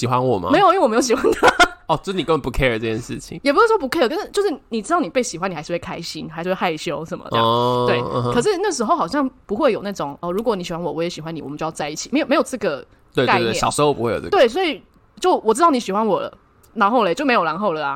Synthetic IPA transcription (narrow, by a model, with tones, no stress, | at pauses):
ɕi˨˩xwa˦nwɔ˨˩m̰˦me˧˥ɪjo˨i˥we˥˩˨jo˧ʊɕi˨˩xwa˧˦nt̪ʰa˥˦˥ɔ˥˧˩t͡ɕo˥˧˥ni˨kə˥wə˨npu˧kʰe˥˧ə˨˩ɤ˥˧˩jɛ˥nʂɻ̩˥˩t͡ɕʰḭ˨˦ŋjɛ˨˩pu˧˦ʂ̩˥˩ʂwɔ˥pu˧˥kʰe˥ɪə˨˩kə˧˥t͡ɕo˥˧ʊʂɻ̩˥˩ni˨˩ʈ͡ʂɻ̩˥t̪ɑ˥˩ʊn˨˩pe˥˩ɪɕi˨˩xwa˦ni˨˩˧ɪʂ̩˥˧we˥˩kʰa˥ɪɕi˦nxa˧˥ʂɻ̩˥˧we˥˧xa˥˩ɪɕjo˦˥ʊʂə˨˩nmə̰˩˧ɑ̰˥we˥˩ɪ˧kʰɤ˨˩ʂ̬ɻ̩˥˧na˥˩ə˩ʂɻ̩˧˥xo˥˧ʊxɑ˨˩ɕjɑ˥˩ŋpu˧˥xwe˥˩ɪjo˨˩ʊna˥˩ʈ͡ʂʊ˨˩ŋɔ˥˩ɻu˧˥kwɔ˧˦ni˨ɕi˨˩xwa˦nwɔ˨˩wɔ˧˦jɛ˧˥ɕi˨˩xwa˧˦ni˨wɔ̰˨mə˦t͡ɕjo˥˧jɑ˥˧t͡sa˧ɪi˥˩t͡ɕʰi˨˩me˧˥ɪo˨˩me˧˥ɪjo˨˩ʊʈ͡ʂɤ˥˩ɡə˩ | we˧kt̪e˥˨˩ɑ̰˨ʊʂɻ̩˧˦˥o˧ʊpu˦xwe˥˩˨jo̰˨˩ə̰˥˧t̪we˥˩ɪs̬wɔ˧˥i˨˩ | t͡ɕjo˥˩ʊwɔ˨˩ʈ͡ʂɻ̩˥tɑ˥˩ʊni˩ɕi˨˩xwa˧˦nwɔ˨˩lə̰˦ | na˧˥nxo˥ʊlə˧˩t͡ɕjo˥˩ʊme˧ɪjla˧nxo˥˩ʊlə˨˩a̰˨˦